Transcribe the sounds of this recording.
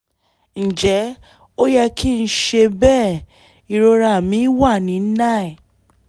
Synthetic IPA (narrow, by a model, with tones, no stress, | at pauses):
n̩˨d͡ʒɛ˨˦ | o˦jɛ˧ki˦˧˦ʃe˧bɛː˦˨ | i˧ɾo˧ɾa˧˨mĩ˨˦wa˦˨nĩ˨˦nã˦˨ɛ˨